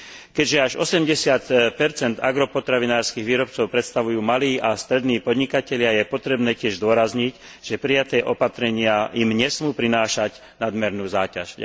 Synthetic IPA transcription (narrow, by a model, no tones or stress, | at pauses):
kɛɟʒɛaʒɔsɛmɟɛsɪat̪pɛɾt͡sɛnd̪a̰ɡɾɔpɔt̪ɾaʋinaːɾskiɣʋiːɾɔp̚t͡sɔʊpɾɛt̪st̪aʋujuːmaliːʔast̪ɾɛd̪niːpɔd̪ɲikacɛʎɪajɛpɔt̪ɾɛbnɛːcɪɛʒzd̪ʊɔɾazɲic | ʒ̥ɛpɾijat̪ɛːʔɔpat̪ɾɛɲɪaimɲɛsmuːpɾinaːʃac | nad̪mɛɾnuːzaːca̰ʃ